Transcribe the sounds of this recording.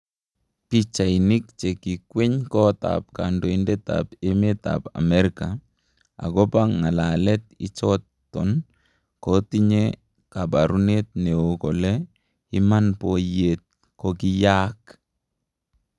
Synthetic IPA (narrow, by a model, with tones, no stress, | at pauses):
pi˦t͡ʃa˨ini˦k̚t͡ʃe˨ki˨kwe˦ɲkɔ˦ta̰p̚ka˨ndɔ˨indɛ˦ta̰peme˦ta̰pa̰˨mɛ˦ɾika | a̰˨ɡɔ˦pa˦ŋa˨la˨lɛ˦t̪̚ɪ̰˦t͡ʃɔtː | ɔn | kɔti˦ɲe | ka˨ba˨ɾu˦ne˦t̪̚ne˨o˨kɔlɛ | i˦manpɔjet̪̚ | kɔki˦jak